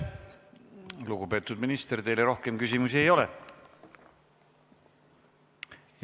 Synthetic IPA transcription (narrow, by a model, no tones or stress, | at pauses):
luɡupe̞ːt̪ːˑud̪minist̪ert̪e̞jleɾo̞hke̞mkysʲimusie̞jo̞le